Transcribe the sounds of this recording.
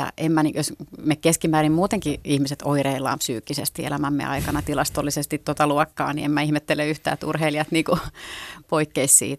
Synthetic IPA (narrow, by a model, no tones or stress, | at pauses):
jɑ̰ʔemmæniːjosmekkeskimæːrimmuːt̪eŋkiihmiset̪oireilːˑɑ̰ːmpsyːkːisḛst̪iḛlæmæmːḛɑ̰ikɑnɑt̪ilɑst̪olːisest̪it̪t̪ot̪ɑluɔkːɑ̰ːnḭemmæihmet̪ːeleyht̪æ̰ːt̪ṵrheiliɑt̪niːku | poikːeissḭːt̪